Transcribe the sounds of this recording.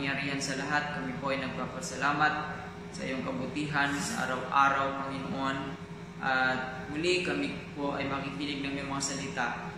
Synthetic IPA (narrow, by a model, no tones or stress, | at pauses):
ŋjaɾiːɦansɐlɐɦat̪̚kɐmipoʔajnɐɡ̚paːpɐsɐlaːmat̪̚ | sɐʔḭjoŋkɐbʊt̪iɦansɐʔa̰ɾawʔaːɾawpɐŋɪno̰ʔon | ʔat̪̚mʊlikɐmipoʔɐjmɐkikiːlɪɡ̚nɐŋmjaŋmɐŋasɐlɪt̪a